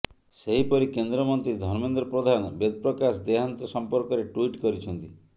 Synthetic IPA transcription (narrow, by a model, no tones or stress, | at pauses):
seɦipɔɾikend̪ɾɔmɔnt̪ɾid̪ʱɔɾmend̪ɾɔpɾɔd̪ʱanɔbed̪̚pɾɔkasd̪eɦant̪ɔsɔmpɔɾkɔɾeʈwiʈkɔɾit͡ʃʰɔnt̪i